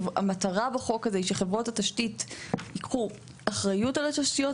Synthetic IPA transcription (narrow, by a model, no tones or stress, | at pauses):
amataʁabeχo̞kːazeiʃeχevʁo̞thataʃtitikχu | aχʁajutalat̪aʃtijo